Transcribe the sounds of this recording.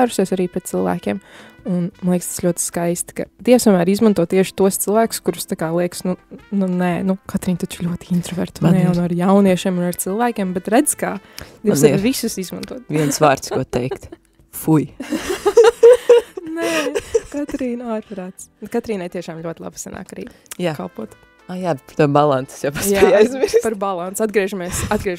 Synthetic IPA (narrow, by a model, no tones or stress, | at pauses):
aɾuʃsiɛsaɾiːpɾɛt̪̚silˠvæ̰ːkʲiːmunmnlˠiɛkst̪slʲuɔt̪ɪ̥skajst̪kɐ̰d̪iɛwst̪oɔmæːɾizmant̪uɔt̪t̪ːiɛʃɪ̥t̪uɔst̪silˠvæːkʊ̥skuɾʊ̥st̪akaːlˠiɛksnununɛnukat̪ɾiːnt̪ɔt͡ʃlʲuɔt̪ʲint̪ɾɔvɛ̰ɾt̪nɛjawnaɾjawniɛʃiɛmunaɾt̪silˠʋæːkʲiɛmbɛt̪ɾæd̪z̥kaːd̪ɛvvisusizmãnt̪uɔt̪viɛnsʋaːɾt̪skuɔt̪ɛjkt̪ | fuj | nɛkat̪ɾiːnaɾpɾaːt̪skat̪ɾiːnajt̪iɛʃaːmʎʲuɔɪlˠa̰bsana̰ːkɾḭː | jaːkalˠpuɔt̪ | ajaːpt̪ubalˠanssjapajaːjajzmiɾspaɾbalˠant̪sad̪ɡɾiɛʒameɛsad̪̚ɡɾiɛʒ